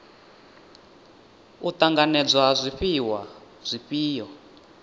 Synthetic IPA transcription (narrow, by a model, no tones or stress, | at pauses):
utaŋɡanɛd͡zwazʷiɸiwa | z̥ʷiɸiːjɔ